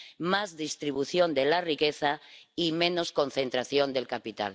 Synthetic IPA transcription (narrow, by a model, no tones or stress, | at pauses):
mazðist̪ɾiβuθjond̪elarikeθaimẽ̞nosko̞n̟θent̪ɾaθjõnd̪e̞lkapit̪a̰l